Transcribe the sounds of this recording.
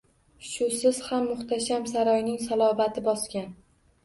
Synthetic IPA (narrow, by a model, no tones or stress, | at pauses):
ʃʊsɪz̥hamːʊχt̪ʰaʃamsaɾɒjnɪŋsalˠɒvat̪ʰɪbɒskʲan